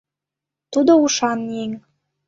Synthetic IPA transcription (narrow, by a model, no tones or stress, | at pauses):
t̪ud̪ouʃɑnːeŋ